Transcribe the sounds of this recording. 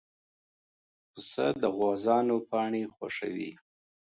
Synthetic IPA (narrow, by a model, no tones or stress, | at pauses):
əsə̰d̪əɣwɑzɑnopɑɳexwa̰ʂa̰wḭ